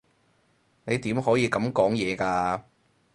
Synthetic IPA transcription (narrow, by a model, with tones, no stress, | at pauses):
ne˨˧jt̪iː˨˥mɦɔː˨˥jiː˨˧kɐ˨˧˥mkɔː˨˥ŋjɛː˨˧kaː˧